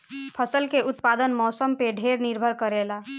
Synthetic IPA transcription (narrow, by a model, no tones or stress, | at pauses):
pʰəsəlkeʔut̪pad̪ənmɔsəmpeɖʱeɾniɾbʱəɾkəɾela